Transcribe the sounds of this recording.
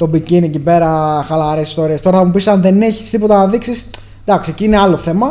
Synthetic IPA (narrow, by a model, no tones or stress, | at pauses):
t̪o̞biciniecipe̞ɾɐxɐlɐɾesist̪o̞ɾiest̪o̞ɾɐθɐmupisɐnðe̞ne̞çi̥st̪ipo̞t̪ɐnɐðiksis | d̪ɐkseciine̞ɐlo̞θe̞mɐ